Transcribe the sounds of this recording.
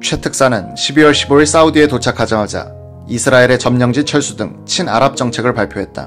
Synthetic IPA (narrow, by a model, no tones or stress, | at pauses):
t͡ɕʰwe̞tʰɯk̚s͈anɯnɕʰibiwʌɭɕʰiboiɭs͈audie̞tot͡ɕʰakʰad͡ʑamad͡ʑa̰ | isʰɯɾaeɾe̞t͡ɕʌmɲʌŋd͡ʑint͡ɕʰʌɭs͈udɯŋt͡ɕʰina̰ɾap̚t͡ɕ͈ʌŋt͡ɕʰe̞ɡɯɭpaɭpʰjoɦe̞t̚t͈a̰